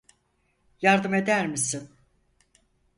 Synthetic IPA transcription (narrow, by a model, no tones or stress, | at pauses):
jaɾd̪ɯme̞d̪æɾmisin